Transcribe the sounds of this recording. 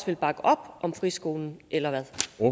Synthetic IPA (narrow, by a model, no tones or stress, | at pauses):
sʋe̝lb̥ɑ̈ɡ̥əʔɒ̽b̥ʔɒ̽mfʁisɡ̥o̝ːln̩ʔelɐʋæðˠ